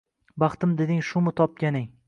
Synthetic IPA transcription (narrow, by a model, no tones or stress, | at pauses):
bɑχt̪ɪmd̪e̞d̪ɪŋʃʊmɪt̪ʰɒp̚kʲanɪŋ